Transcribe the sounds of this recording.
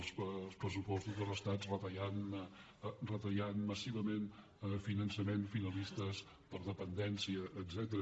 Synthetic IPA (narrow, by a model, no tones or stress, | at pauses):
sˠspɾəsupɔst̪uzərəst̪ad͡zrət̪əʎan | rət̪əʎanməsiβəmen | finənsəmenfinəlist̪əs | pəɾðəpənd̪ɛnsiəʔːɡzɛt̪əɾə